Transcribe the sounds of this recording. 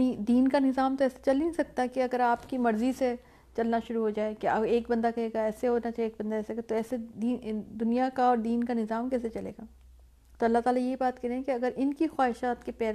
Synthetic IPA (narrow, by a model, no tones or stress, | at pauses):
nid̪iːnkanɪzaːmt̪oɛːse̥t͡ʃɐlinĩsɐk̚t̪aɦɛkeɐɡəɾaːpkimɐɾzise | t͡ʃɐlnaʃʊɾuɦod͡ʒaːekeɐeːkbɐ̃nd̪akɐɦeːɡaɛːseɦoːnat͡ʃaːɦieːk̚bɐ̃nd̪aɛːseɡat̪oɛːsed̪iːd̪ʊnijakaɔːɾd̪iːnkanɪzaːmkɛːset͡ʃɐlḛːɡaː | t̪oɐlːat̪aːlajeɦibaːt̪kɐɾẽɦɛ̃keɐɡəɾʔɪnkixwaːɦɪʃaːt̪kepɛːɾ